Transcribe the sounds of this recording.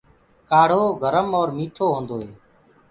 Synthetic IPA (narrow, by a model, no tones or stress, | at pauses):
kaːɽ̤oːɡʱəɾəmɔːɾmiːʈʰoːɦõːnd̪oːɦeː